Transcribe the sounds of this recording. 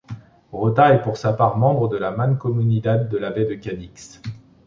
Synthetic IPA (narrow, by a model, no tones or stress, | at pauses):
ʁot̪aɛpuʁsapaʁmɑ̃bʁəd̪əlamankɔmynit̪ad̪ːəlabɛd̪əkʲaniks